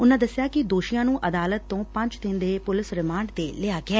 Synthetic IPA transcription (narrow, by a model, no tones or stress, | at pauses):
ʊnãːd̪əsɪjaːkɪd̪oːʃijãːnũːʔəd̪aːlət̪ːõːpə̃ɲt͡ʃt̪ɪ̃nd̪eːpʊlɪsɾɪmaːɳɖd̪eːleaːɡɪɛː